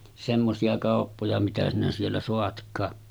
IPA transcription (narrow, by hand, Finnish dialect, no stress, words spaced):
semːosiɑ kɑˑopːojɑ mitæ sinæ sielːæ soɑtkˑɑː